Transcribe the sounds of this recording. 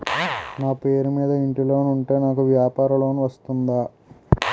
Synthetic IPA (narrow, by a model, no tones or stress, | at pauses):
naːpe̞ːɾumiːd̪ɐiɳʈilo̞ːnuɳʈeːnaːkuʋjaːpaːɾɐloːnuʋɐst̪und̪aː